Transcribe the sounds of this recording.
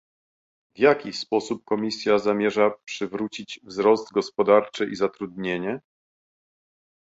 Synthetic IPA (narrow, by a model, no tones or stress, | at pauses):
vjakʲispɔsup̚kɔmʲisʲjazamʲjɛʐapʂɘvɾut͡ɕid͡ʑvzɾɔzd̪ɡɔspɔd̪aɾt͡ʂɘʔizat̪ɾud̪̚ɲeɲɛ